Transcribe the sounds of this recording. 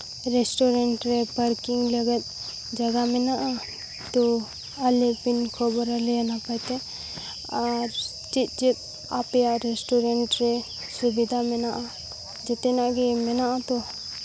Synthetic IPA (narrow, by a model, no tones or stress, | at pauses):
ɾesʈɔɾeɳʈɾɛpəɾkiŋləɡɛt̪̚ | d͡ʒaɡamɛnaʔa | t̪ɔ | alepinkʰɔbɔɾalɛjanapajt̪ɛ | aɾ | t͡ʃit̪̚ˀt͡ʃit̪̚ | apɛjaʔɾesʈɔɾeɳʈɾɛ | subid̪ʱamɛnaʔa | d͡ʒɛt̪ɛnaʔɡɛmɛnaʔat̪ɔ